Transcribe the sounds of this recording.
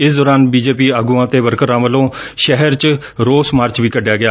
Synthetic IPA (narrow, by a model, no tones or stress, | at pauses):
ɪsd̪ɔːɾaːnbiːd͡ʒeːp̬iːaːɡuːãːt̪eːʋəɾkəɾãːʋəlõː | ʃɛɦəɾt͡ʃ | ɾoːsmaːɾt͡ʃʋiːkəɖejaːɡɪjaː